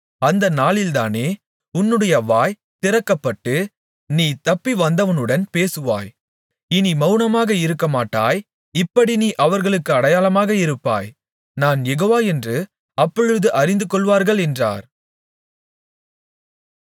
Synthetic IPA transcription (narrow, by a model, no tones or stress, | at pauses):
ɐnd̪ɐnaːɭɪlt̪a̰ːneː | ʊnːɯɽɐjɐʋaːj | t̪ɪɾɐkːɐpːɐʈːɯ | niːt̪ɐpːiʋɐnd̪ɐʋɐnɯɽɐnpeːsɯʋa̰ːj | ɪnimɐʊnɐmaːɣɐɪɾɯkːɐmaːʈːa̰ːj | ɪpːɐɽiniːʔɐʋɐɾɣɐɭɯkːɯɐɽɐjaːlɐmaːɣɐɪɾɯpːa̰ːj | naːnjɛɣoːʋaːɛndrɯ | ɐpːɔɻɯðɯʔɐɾɪnd̪ɯkɔɭʋaːɾɣɐɭɛndra̰ːɾ